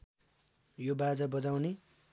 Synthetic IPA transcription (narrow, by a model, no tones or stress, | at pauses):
jobad͡zʌbʌd͡zawne